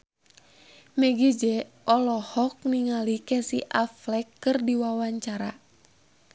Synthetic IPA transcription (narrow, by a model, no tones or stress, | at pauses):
mɛɡid͡ʒɛ | ɔlɔhɔk̚niŋalikɛsiʔaflɛkːɨrdiwawaɲt͡ʃaɾa̰